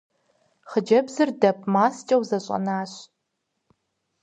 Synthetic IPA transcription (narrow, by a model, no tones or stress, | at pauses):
χəd͡ʒɐbzɨrdɐp̚ʰʼmaːst͡ʃʼɐwzɐɕʼɐ̰naːɕ